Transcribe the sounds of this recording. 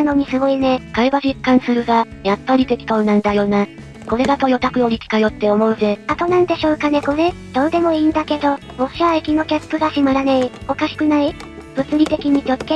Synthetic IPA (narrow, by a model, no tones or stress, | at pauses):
ano̞ɲ̟isɨɡo̞ine̞kaiβaʑikːãɰ̃sɨɾɯ̟ɡa | japːaɾʲit̪e̞kʲi̥t̪o̞̟ːnãnd̪ajo̞ːna | ko̞ɾe̞ɡ̪at̪o̞jo̞t̪akɯ̟joɾʲikʲi̥kajo̞t̪ːe̞o̞mo̞ɯ̟ze̞at̪o̞nãnd̪e̞ɕo̞ːkane̞ko̞ɾe̞ | d̪̥o̞ːd̪e̞mo̞iːnd̪ake̞d̪o̞ | moɕiβaikʲino̞kʲaspɯ̟ɡaɕimaɾanaio̞kaɕi̥kɯ̟nai | b̥ɯ̟t͡sɨɾʲit̪e̞kʲiɲ̟ikʲo̞kːe